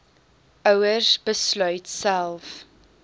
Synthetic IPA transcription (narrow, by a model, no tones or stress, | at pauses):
ʔəwəsbəslœɥtsælˠf